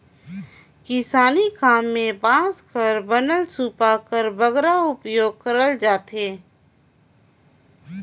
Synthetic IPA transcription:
kɪsaːnikaːmːẽbãːskəɾbɐnəlsuːpakəɾbɐɡɾaʊpjoːɡ̚kəɾəld͡ʒaːt̪eː

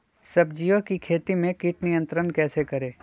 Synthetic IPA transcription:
sɐbd͡ʒijokikʰeːt̪imẽkiʈnijə̃nt̪ɾənkɛːsekɐɾeː

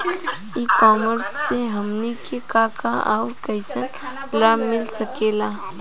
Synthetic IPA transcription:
iːkɔːməɾsːeɦɐmnikekakaʔaːʊɾkɐɪsən | lamɪlsəkeːlaː

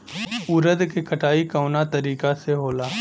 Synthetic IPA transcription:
ʊɾəd̪kekʰɐʈʰaːikaʊnat̪ɐɾiːkaseɦoːlaː

